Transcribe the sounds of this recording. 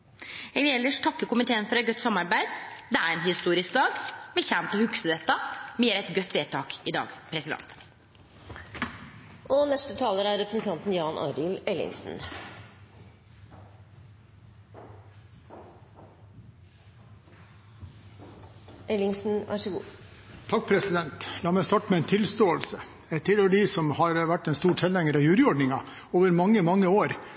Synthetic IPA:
ɛɡ̪ɪɛlːəʂʈ̪ʰɑkːəkʊmɪt̪ʰeːənfɔɾɛt̪̚ɡœt̪ːsɑmːɑɾbæɪd̪d̪ɛæɾɛnhɪst̪uːɾɪsk̚d̪ɑːɡmɛçæːmt̪ɔhʉksəd̪ɛt̪ːəmeːɾæɛt̪ɡœt̪ʰːʋeːt̪ʰɑːkɪd̪ɑ̰ːɡpʰɾɛsɪd̪ɛ̰nt̪ | ʔɔnɛst̪ət̪ʰɑːləɾæɾːɛpɾəsn̩t̪ʰɑnt̪n̩jɑːnʔɑ̰ːɾɪlɛlɪ̰ŋsn̩ | ʔɛlɪŋsn̩ʋʔæ̰ʂəɡṵːt̪ʰɑk̚pʰɾɛsɪd̪ɛnt̪lɑːmæɪst̪ɑʈmɛɛɪːnt̪ʰɪlst̪oːəlsə | ɛɪt̪ʰɪløːɖiːsɔmhɑɾʋæʈːɛnst̪uːʈʰɛlæŋəɾɑʋjʉːɾɪɔɖɳɪŋɑ | oːʋəɾmɑŋːəmɑŋːəoːɾ

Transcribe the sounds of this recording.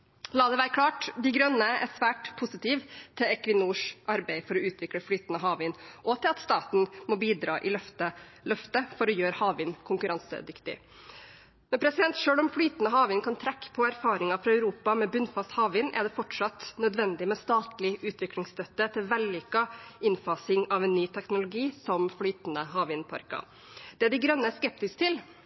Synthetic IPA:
lɑːd̪ɛʋæːɾəkʰlɑːʈd̪ɪɡɾœnːəɛ̰sʋæːʈpʰʊsɪt̪iːʋt̪ʰɪlɛkʋɪnuːʂʔɑɾbæɪfɔɾɔʉːt̪ʰʋɪkləflyːt̪ənəɦɑːʋɪnʔɔt̪ʰɪlɑt̪st̪ɑːt̪n̩mɔbiːd̪ɾɑ̰ːʔɪlœft̪əlœft̪əfɔɾɔjøːɾəhɑːʋɪnkʰʊŋkʉɾɑnsə̰d̪ʏkt̪ɪ̰ | mɛnpʰɾɛsɪd̪ɛnt̪ʂøːɭɔmflyːt̪nəɦɑːʋɪnkʰɑnt̪ʰɾɛkːə̥pʰɔæɾfɑːɾɪŋɑfɾɑæʉɾuːpɑmɛbʉnfɑst̪hɑːʋɪnʔɛ̰ɖ̪ɛfɔʈʂɑt̪nœd̪ʋɛnd̪ɪmɛst̪ɑːt̪lɪʔʉːt̪ʋɪklɪŋst̪œt̪ːət̪ʰɪlʋɛlːiːkɑɪnfɑsɪŋɑʋɛnːyːt̪ʰɛknʊlʊɡiːsɔmflyːt̪nəɦɑːʋɪnpʰɑ̰ɾkɑ̰ | d̪̥ɛæɖɪɡɾœnːəskɛp̚t̪ɪst̪ʰɪl

